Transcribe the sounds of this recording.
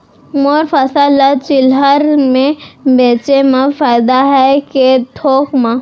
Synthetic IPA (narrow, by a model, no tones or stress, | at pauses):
moːɾfɐsaːlat͡ʃɪlɦəɾmẽbeːt͡ʃemãfaːɪd̪aɦɛket̪ʰoːkmã